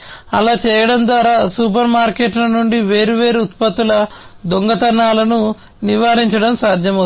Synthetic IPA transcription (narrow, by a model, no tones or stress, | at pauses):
ɐ̰laːt͡ʃɛːjɐɽɐnd̪ʋaːɾaːsupɐɾmaːɾkeːʈlɐnuɳɖiʋeːɾuʋe̞ːɾuːt̪pɐt̪ːulɐd̪oŋɡɐt̪ɐnaːlɐnu | niʋaːɾiɲt͡ʃɐɽɐmsaːd̪ʱjɐmɐ